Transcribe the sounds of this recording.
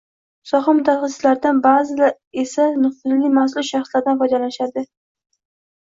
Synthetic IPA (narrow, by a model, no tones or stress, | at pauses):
sɒχamʊd̪aχasɪlaɾd̪anbazɪlaɾ | e̞sanʊχt̪ɪlːɪmafslˠʊsʃaχslaɾd̪anfɒd̪alanɪʃad̪ɪ